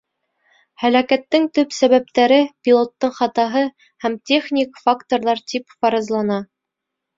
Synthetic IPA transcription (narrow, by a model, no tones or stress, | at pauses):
hælækæt̪ːɘŋt̪ɵpsæβæp̚t̪æɾɘpʲilˠo̞t̪ːɤɴχɑt̪ɑɦɤ | hæmt̪ʲeχnʲikfakt̪oɾðˠɑɾt̪ipfɑɾɤ̆zlˠɑnɑ